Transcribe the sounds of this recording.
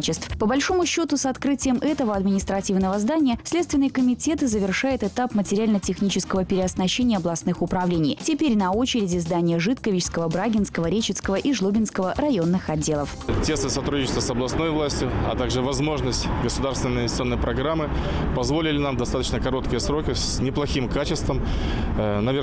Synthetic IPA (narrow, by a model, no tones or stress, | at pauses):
t͡ɕɪst̪fpəbɐlʲʂo̞mʊɕːo̞t̪ʊsɐt̪kɾɨtʲɪjəmʔɛt̪əvəɐd̪mʲɪnʲɪst̪ɾɐtʲivnəvəzd̪anʲɪjəfsʲlʲet̪st̪vʲɪnɨjkəmʲɪtʲe̞t̪ɨzəvʲɪrʂajɪt̪ɨt̪apmətʲɪɾʲɪalʲnətʲɪxnʲit͡ɕɪskəvəpʲɪɾʲɪɐsnɐɕːenʲɪjəɐblˠɐsnɨxʊpɾɐvlʲenʲɪjtʲɪpʲeɾʲnɐo̞t͡ɕɪɾʲɪdʲɪzd̪anʲɪjəʐɨt̪kəvʲɪt͡ɕskəvəbɾaɡʲɪnskəvəɾʲet͡ɕɪt̪skəvəʔiʐlˠobʲɪnskəvərɐjo̞nːɨxɐdʲːelˠəftʲe̞st̪ɨsɐt̪ɾudʲɪt͡ʃɪst̪vəsɐblˠɐsno̞jvlˠasʲtʲjʊɐ̰t̪aɡʐɨvɐzmo̞ʐnəsʲtʲɡəsʊd̪arst̪vʲɪnənəɪɪsʲo̞nːəjpɾɐɡɾamːɨ | pɐzvolʲɪlʲɪnamd̪ɐst̪at̪ə̥t͡ɕnəkɐɾo̞t̪kʲɪjəsɾo̞kʲɪs | nʲɪplˠɐxʲimkat͡ɕɪst̪vəm | nɐvʲe